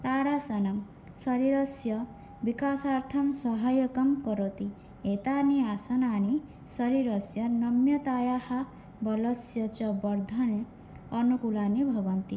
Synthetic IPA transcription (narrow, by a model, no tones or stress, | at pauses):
t̪aɽasʌnʌm | sʌɾiɾʌsjʌ | bikasart̪ʰʌmsʌɦajʌkʌmkʌɾot̪i | ɦet̪aniasʌnani | sʌɾiɾʌsjʌnʌmjʌt̪ajaha | bʌlʌsjʌt͡ʃʌbʌrd̪ʱʌne | ʌnukulanibʱʌbʌnt̪i